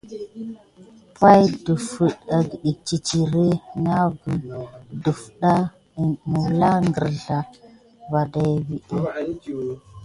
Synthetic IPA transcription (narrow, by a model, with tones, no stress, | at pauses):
pa˦jdu˨fə˨ɗa˨ɡi˨ɗi˨k̚t͡ʃi˨t͡ʃi˨ɾe˦na˦ɡə˨du˨fɗa˦˨ | mu˨wla˦ŋɡə˨ɾɮa˨ | va˨da˨jvi˨ɗi˦